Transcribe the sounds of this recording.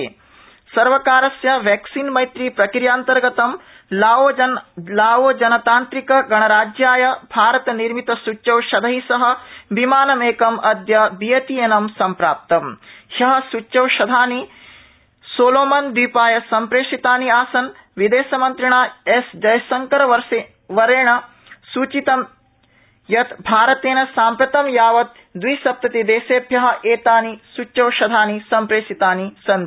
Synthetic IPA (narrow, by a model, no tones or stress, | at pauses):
sɐɾʋɐkaːɾɐsjɐʋeːksiːnmɐjt̪ɾiːpɾɐkɾjaːnt̪ɐɾɡɐt̪ɐm | laːoːlaːʋoːd͡ʒɐnɐt̪aːnt̪ɾikɐɡɐɳɐɾaːd͡ʒjaːjɐbʱaːɾɐt̪ɐniɾmit̪ɐsuːɐwʃɐd̪ʱɐɦisɐɦɐ̆bimaːnɐmeːkɐmʔɐd̪jɐbijɐt̪ijeːnɐmsɐmpɾaːp̚t̪ɐmhɐɦɐ̆sut͡ʃːɐwʃɐd̪ʱaːni | soːloːmɐnd̪iːpaːjɐsɐmpɾeːʂit̪aːniaːsɐn | ʋid̪eːsɐmɐnt̪ɾiɳaːesd͡ʒɐjɐsɐŋkɐɾɐʋɐɾse | ʋɐɾeːɳɐ | suːt͡ʃit̪ɐm | jɐt̪bʱaːɾɐt̪eːnɐsaːmpɾɐt̪ɐmjaːʋɐt̪̚ | d̪ʋisɐp̚t̪ɐt̪id̪eːseːbʱjɐɦɐ̆ʔeːt̪aːnisut͡ʃːɐwʃɐd̪ʱaːnisɐmpɾeːʂit̪aːnisɐn